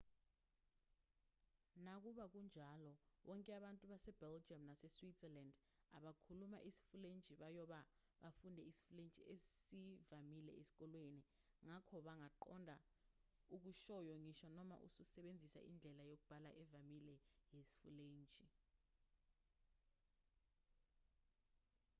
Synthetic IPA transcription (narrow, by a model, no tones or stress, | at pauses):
nak̬uɓak̬und͡ʒʱalɔwɔŋkʼɛaɓantʼuɓasɛb̥ɛld͡ʒʱiamnasɛswisɛland | a̰ɓakʰuluma̰ʔisi̥fulent͡ʃʼiɓajɔɓa | ɓafundʱɛisi̥fulent͡ʃʼḭesivamilɛ̰esi̥k̬ʼɔlweni | ŋakʰɔɓaŋaǃɔ̰ndʱa | uk̬uʃɔjoŋiʃɔnɔma̰ʔṵsusɛɓend͡zʱisa̰ʔḭnd͡ɮʱɛlajok̬ub̥ʱala̰ʔɛvamilɛjesi̥fuleːnt͡ʃʼi